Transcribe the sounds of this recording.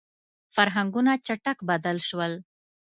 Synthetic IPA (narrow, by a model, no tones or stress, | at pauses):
faɾɦaŋɡunat͡ʃaʈakbad̪əlʃwəl